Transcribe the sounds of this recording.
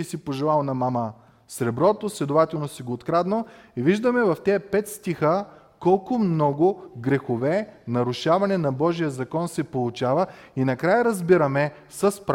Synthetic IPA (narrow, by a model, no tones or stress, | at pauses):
isipoʒɛlˠalˠnɐmamə | sɾɛbɾɔt̪oslʲɛd̪ʊvat̪ɛlˠnosiɡoːt̪kɾad̪noiviʒd̪əmɛvɐft̪ɛpɛt̪st̪ixə | kɔlˠkʊmnɔɡʊɡɾɛxʊvɛnɐɾʊʃavɐnɛnɐbɔʒijəzɐkɔnsɛpolˠʊt͡ʃavəinɐkɾajəɾɐzbiɾɐmɛ | sɐspɾ